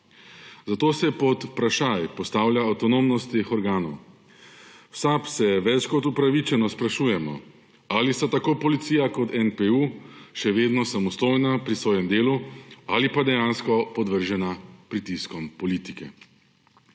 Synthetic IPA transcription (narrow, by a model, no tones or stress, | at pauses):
zat̪oːsɛpɔt̪pɾaʃajpɔst̪aːwlʲjaːwt̪ɔnomnɔst̪ːexɔɾɡaːnɔw | wsapsɛʋɛt͡ʃkɔt̪upɾaʋit͡ʃɛnɔspɾaʃuːjɛmɔ̰ | alist̪at̪akoːpɔlit̪siːjakɔt̪ʰɛnpeuʃɛʋeːd̪nɔsamɔst̪oːjnapɾisʋoːjɛmd̪eːlualipad̪ɛjaːnskɔpɔd̪ʋəɾʒɛnapɾit̪iskɔmpɔlit̪ikɛ̰